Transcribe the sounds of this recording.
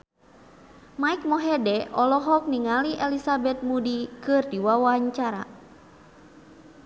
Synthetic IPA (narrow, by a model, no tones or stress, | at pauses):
maik̚mɔɦɛdɛɔlɔɦɔk̚niŋaliʔɛlisabɛt̪̚mudikɨrdiwawaɲt͡ʃaɾa̰